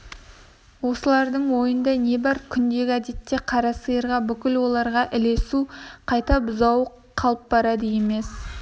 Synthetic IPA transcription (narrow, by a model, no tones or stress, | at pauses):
wo̞səlˠɑɾd̪əɴwo̞jənd̪ɑne̞bɑɾkʲʰʏnd̪e̞ɡʲɪæd̪e̞t̪ːe̞qʰɑɾɑsəjəɾʁɑbʏkʲɪlwo̞lˠɑɾʁɑʔɪle̞suqʰɑjt̪ɑbʊzɑwə | qʰːɑlˠəp̚bɑɾɑd̪əje̞me̞s